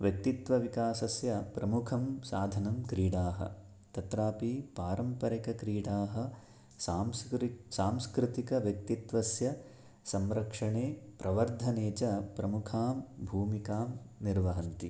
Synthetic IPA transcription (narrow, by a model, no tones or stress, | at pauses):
ʋjɐk̚t̪it̪ʋɐʋikaːsɐsjɐpɾɐmukʰɐmsaːd̪ʱɐnɐmkɾiːɽaːɦɐ̰ | t̪ɐt̪ɾaːpipaːɾɐmpɐɾɐkɐkɾiːɽaːɦɐ̆ | aːmsaːmskɾɪt̪ikɐʋjɐk̚t̪it̪ʋɐsjɐ | sɐmɾɐkʂɐɳeːpɾʔɐʋɐɾd̪ʱɐneːt͡ʃɐpɾɐmukʰaːmbʱuːmikaːmniɾʋɐɦɐnt̪i